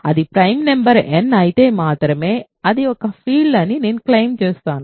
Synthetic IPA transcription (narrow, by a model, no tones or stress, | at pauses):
ɐðipɪɾɐɪmnɛmbɐɾɛnːɐjt̪eːmaːt̪ɪɾɐmeː | ɐðiɔkːɐfiːlɐniniːnklɐɪmt͡ʃeːst̪aːn